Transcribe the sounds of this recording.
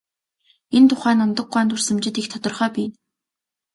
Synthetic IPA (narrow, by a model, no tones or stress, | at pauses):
ent̪ʰʊχæːnɔnt̪ɞ̆ɡ̚ɢʷæːnt̪ur̥sə̆mt͡ɕɪ̆t̪ikt̪ʰɔt̪ɞ̆rχœːpiːn